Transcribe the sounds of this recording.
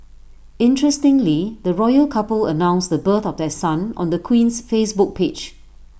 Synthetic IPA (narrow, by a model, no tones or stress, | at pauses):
ɪ̃ntɹɛstɪ̃ŋlid̪əɹɔjəlkʰapələ̰nãʊ̃nsdəbət̪ɔvdɛsãnɔ̰̃ndəkʰwĩnsfesbʊk̚pʰed͡ʒ